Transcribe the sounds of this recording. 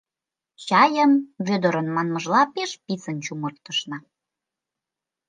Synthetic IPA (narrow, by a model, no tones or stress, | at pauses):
t͡ɕɑjəmβød̪ə̆ɾə̆nmɑnməʒlɑpeʃpit͡sənt͡ɕumɤ̆rt̪ːəʃnɑ